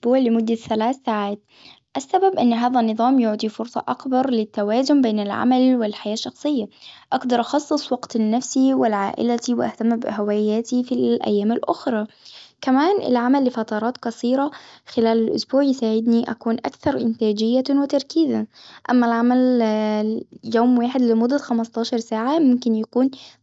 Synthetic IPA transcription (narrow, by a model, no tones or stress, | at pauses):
buːʕlɪmʊd̪ːaθalaːθːaːʕaːt̪̚ | ʔasːababʔɪnːɦaːðanːɨðˤɑːmjʊʕd̪ˤifʊɾsˤɑ̰ʔɑkbɑɾˤlɪt̪ːawaːzʊmbeːnɪlʕa̰malwɪlħajaːʃːɑxsˤɨjːaʔɑɡd̪ɑɾˤʔɑxɑsˤːɨsˤwɑɡt̪nːafsiwɪlʕa̰ːʔɪ̰lat̪iwʔa̰ht̪amːbɪhawaːjaːt̪ifiʔa̰jːaːmɪlʔʊxɾˤɑː | kæmæːnʔɪ̰lʕamælːɪfæt̪ɑɾˤɑːt̪kɑsˤiːɾˤɑxɪlæːlɪlʔʊsbuːʕjɪsaːʕɪd̪niʔæ̰kuːnʔæ̰kθɑɾˤʔɪnt̪æːd͡ʒɪjːawɪt̪ɑɾˤkiːzaʔæmːælʕamæl | joːmwaːħɪd̪lɪmʊd̪ːæxæmɑst̪ˤɑːʃɑɾˤsaːʕamʊmkɪnjakuːn